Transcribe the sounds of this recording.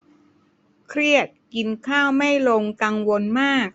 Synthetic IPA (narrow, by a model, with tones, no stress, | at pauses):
kʰɾi˥˩ət̪̚ki˧nkʰaː˥˩wma˥˩jlo˧ŋkaː˧ŋwo˧nmaː˥˩k̚